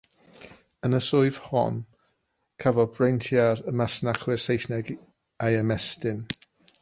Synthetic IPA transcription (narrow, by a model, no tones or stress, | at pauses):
ənəsʊɨv̥hɔ̰n | kʰavɔbrejntʰjaɾəmasnaχwɪrsejsnɛɡ | ajɛmɛstɪn